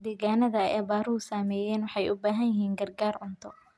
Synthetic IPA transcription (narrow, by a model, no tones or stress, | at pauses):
d̪ɛːɣaːnɐðɐɛːbaːɾʊʊsaːmɛːjɛːnwɑħɑjʔʊbaːɦɐnjɪɦiːŋɡɐrɡaːrʕʊnt̪ʰɔ